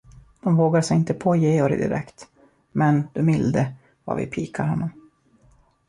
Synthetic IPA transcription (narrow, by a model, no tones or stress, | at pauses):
d̪̥ɔmvoːɡaʂɛjɪnt̪əpʰoːjeːɔɾɪ̰d̪ɪ̰ɾʔɛ̰kt̪ | mɛnd̪̥ɵmɪld̪ə | va̰ɾvɪ̰pʰiːkʰaɾhɔnːɔm